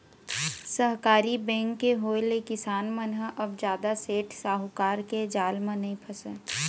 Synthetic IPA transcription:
səɦkaːɾibɛ̃ːŋkːeɦoːelekɪsaːnmənɦəʔɐbd͡ʒjaːd̪aseːʈʰsaːɦʊkaːɾked͡ʒaːlmẽnɐɦĩpʰəsə

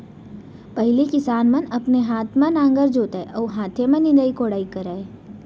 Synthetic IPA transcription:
pɐɦɪlikɪsaːnmɐ̃nɐpneɦaːt̪ʰmãnãːŋɡəɾd͡ʒoːt̪aeʔɔːɦãːt̪ʰemɐ̃nɪ̃nd̪əːikoːɽaːikəɾaːe

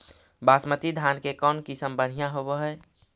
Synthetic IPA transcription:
basmət̪id̪ʱjaːnkekɔːnkisəmbəɽ̤ijãɦobeɦɛ

